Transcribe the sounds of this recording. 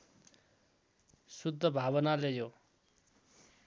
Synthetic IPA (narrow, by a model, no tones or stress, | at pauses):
sud̪ʱːʌbʱabʌnalejo